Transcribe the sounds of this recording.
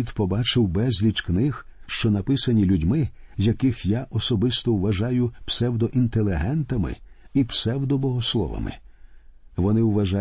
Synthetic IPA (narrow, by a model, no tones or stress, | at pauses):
id̪pɔbɑt͡ʃɪwbɛzʲlʲit͡ʃknɪx | ʃt͡ʃɔnɐpɪsɐnʲilʲudʲmɪzʲjʲjɐkɪxjaʔɔsɔbɪst̪ɔwʋɐʒɑjʊpsɛwd̪ɔʔint̪elˠʲɪɦɛnt̪ɐmɪ̰ipsɛwd̪ɔbɔɦɔslˠɔ̰ʋɐ̰mɪ̰ | ʋɔnɪwʋɐʒa